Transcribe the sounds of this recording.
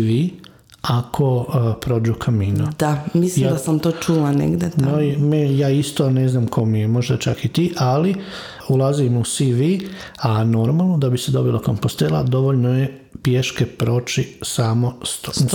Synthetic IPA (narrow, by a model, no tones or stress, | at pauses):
ʋi | akʰopɾo̞ːd͡ʒukʰamiːnud̪̥amislijmad̪asamt̪oːt͡ʃulanḛɡd̪et̪nomejaːist̪one̞znamkʰo̞mije̞mo̞ʒd̪at͡ʃakit̪iːʔali | ulˠazimusiʋi | ano̞ɾmalˠnod̪abise̞d̪o̞bilˠoko̞mpost̪elˠa̰d̪o̞ʋoʎnoje | pjeʃkepɾo̞ːt͡ʃisamost̪